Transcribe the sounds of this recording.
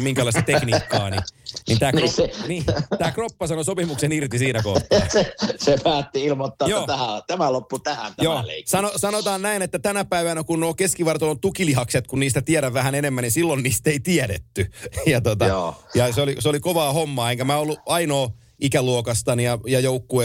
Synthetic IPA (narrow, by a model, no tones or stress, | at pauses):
miŋkælɑˑist̪ɑt̪eknikːɑːninḭnt̪æːkːeniːt̪æːkropːɑsɑnosopimuksenirt̪isiːnækoht̪ːesepæːt̪ːiilmot̪ːɑːjoːæhæt̪æmælopːut̪æhæ̰nt̪æjoːlḛisɑnosɑnot̪ɑːnnæinet̪ːæt̪ænæpæiʋænækunnoːkeskiʋɑrt̪olːot̪ukilihɑkset̪kunniːst̪æt̪iæɾæʋʋæhænenemːænnisilːonniːst̪eit̪iæɾḛt̪ːyjɑt̪ot̪ɑjɑseoliseolikoʋɑːhomːɑːeŋkæmæːolːuɑinoː | ʔikæluokɑst̪ɑnijɑjɑjoukːue